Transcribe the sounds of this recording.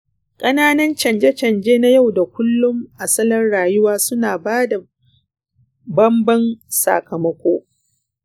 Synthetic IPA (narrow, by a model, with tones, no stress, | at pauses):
kʼɐ˦naː˦nɐ˦nt͡ʃɐ˨nd͡ʒe˦t͡ʃɐ˨nd͡ʒeː˦na˦ja˦˨wda˨kʷʊ˦lːʊ˦mʔa˨sɐ˦lɐ˦rɽaː˨jʊ˦waː˦sʊ˦naː˨baː˦da˨ | bɐ˦mbɐ˦nsa̰˨kɐ˨mɐ˦kʷoː˦